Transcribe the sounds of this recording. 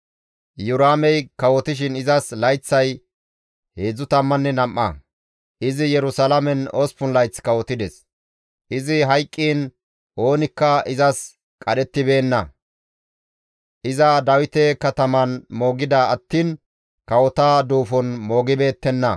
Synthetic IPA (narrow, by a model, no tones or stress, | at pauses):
jʊɾaːmɛjkɐwɔt̪ɪʃ̬ɪnɪzɐslɐjt͡sːɐj | he̞ːd͡zːʊt̪ɐmːɐnːɛnɐmːɐ̰ | ʔɪzɪjɛɾʊsɐlɐmɛnospʊnlɐjt͡sːkɐwɔt̪ːɪd̪ɛs | ʔɪzɪɦɐjkʼːiːn | ʔo̞ːnɪkːɐɪzɐs | kʼɐɗɛt̪ːɪbe̞ːnːɐ | ʔɪzɐd̪ɐwɪt̪ɛkɐt̪ɐmɐnmo̞ːɡɪd̪ɐɐt̪ːiːn | kɐwɔt̪aːd̪uːfɔnmo̞ːɡɪbe̞ːt̪ːɛnːɐ